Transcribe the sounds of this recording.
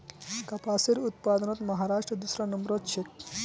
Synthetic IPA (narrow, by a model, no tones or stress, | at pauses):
kɐpaːsiɾut̪̚paːd̪ənɐt̪mɐɦaːɾaːʂʈɾəd̪usɾɐnɐmɾot̪̚t͡ʃʰek̪